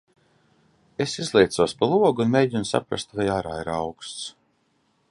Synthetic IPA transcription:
esizlˠʲejt̪suɔspalˠuɔɡunmʲejɟʲinsa̰pɾa̰st̪vajaːɾaːiɾawkst̪s

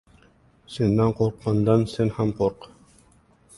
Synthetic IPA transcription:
sinːæɴqoɾq̚mɑnd̪ɑnsɘnhæmqoɾq

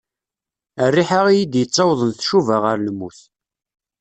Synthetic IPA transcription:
ərːiħaʁijid̪jət͡sˤːɑwðˤənθʃuvaʁəɾlmːuθ

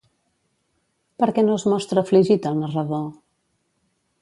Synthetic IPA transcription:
pəɾkɛnozmɔst̪ɾəfliʒit̪əlˠnərəðo

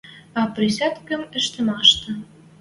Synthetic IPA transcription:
ɑprʲisʲɑt̪kə̆mə̆ʃt̪ə̆mɑʃt̪ɤ̆

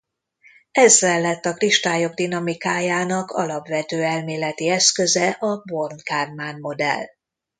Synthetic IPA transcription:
ɛzːɛlːɛt̪ːɒkriʃt̪aːjo̞ɡ̚d̪inɒmikaːjaːnɒkʰɒ̰lɒbʋɛt̪øːɛlmeːlɛt̪iɛskøzɛʔɒbo̞rnkaːrmaːnmo̞d̪ɛ̰l

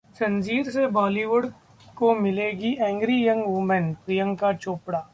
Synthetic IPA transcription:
sɐnd͡ʒiːɾsebɔːliʋʊɽ | komɪleːɡiʔɛ̃ːŋɡɾijɐ̃ŋɡʋoːmɛnpɾɪjə̃ŋɡkat͡ʃoːpɽaː

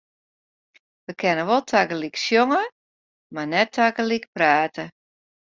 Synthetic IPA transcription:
ʋəkʰɛnəʋolˠtʰaɡəliksjoŋə | manɛtʰːakəlikpraːtʰə

